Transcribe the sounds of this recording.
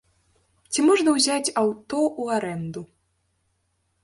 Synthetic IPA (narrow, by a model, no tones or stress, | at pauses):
t͡sʲimɔʐnɐwzʲat͡sʲawt̪ɔuaɾɛnd̪u